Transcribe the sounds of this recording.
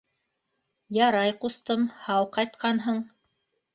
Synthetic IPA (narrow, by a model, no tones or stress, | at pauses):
jɑɾɑjqust̪ɤmhɑwqɑjt̪qʰɑnɦɤɴ